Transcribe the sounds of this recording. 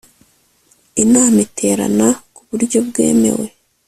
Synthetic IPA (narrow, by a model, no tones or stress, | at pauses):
inaːmitʰe̞ːɾa̰nakuβuɾɟo̞bɡe̞̰ːme̞̰we̞